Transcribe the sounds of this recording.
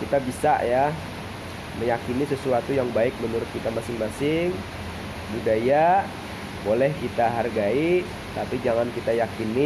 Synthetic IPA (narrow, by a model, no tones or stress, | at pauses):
kit̪abisa̰ʔja | məjakinisəsuat̪ujaŋbaɪk̚mənuɾʊt̪̚kit̪amasɪŋmasɪŋ | budaja | bolɛhkit̪aɦarɡai | t̪apid͡ʒaŋankit̪ajakini